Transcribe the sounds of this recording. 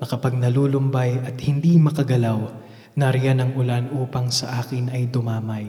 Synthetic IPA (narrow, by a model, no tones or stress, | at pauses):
nɐkɐpɐɡ̚nɐluːlʊmbajɐt̪̚hɪnd̪imɐkɐɡɐlaw | nɐɾɪjanɐŋʔʊlanʔuːpɐŋsɐʔaːkɪnɐjd̪ʊmaːmɐj